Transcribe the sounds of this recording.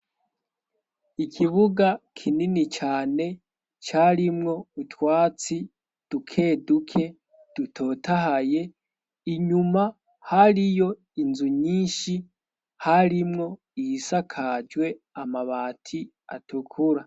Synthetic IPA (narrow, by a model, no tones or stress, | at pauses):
ikʰiβuɡakʰininit͡ʃaːne̞ | t͡ʃaɾimŋo̞utwaːt͡si | d̥ukʰe̞ːdukʰe̞ | d̥utʰo̞ːtaɦaje̞ | iɲuma | haɾijo̞ | inzuɲiːnʃi | haɾimŋo̞ | ijisakʰad͡ʒwe̞ | amaβaːtʰi | a̰tʰukʰuɾa